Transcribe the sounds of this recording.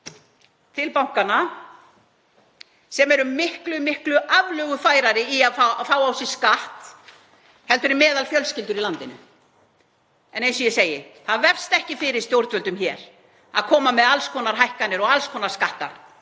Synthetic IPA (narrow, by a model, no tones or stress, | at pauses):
t̪ʰɪlpawŋ̥kana | sɛmɛɾʏmɪhklʏmɪhklʏʔavlœːɣʏfaːjɾaɾɪiaðfafaːwawsɪ̥skaht̪ | hɛlt̪ʏɾɪmɛːðalfjœlscɪlt̪ʏɾilant̪ɪnʏ̰ | ɛnejnsɔjɛseːjɪθaðvɛr̥st̪ɛhcɪfɪɾɪɾ̥st̪jowɾt̪vʏlt̪ʏmçɛːɾ̥ | a̰ðkʰɔːmamɛðalskʰɔnaɾ̥ɦajhkanɪɾɔɣalskʰɔnaɾ̥skaht̪a̰